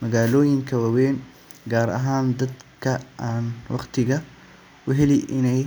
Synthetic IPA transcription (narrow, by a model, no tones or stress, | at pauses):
mɐɣaːlɔːjɪŋkʰɐwaːwɛːŋ | ɡaːɾɐ̰ɦaːnd̪ɐd̪kʰɐʔaːnwɑ̰qt̪ʰɪɣɐ | ʔʊɦɛlɪʔɪnɛj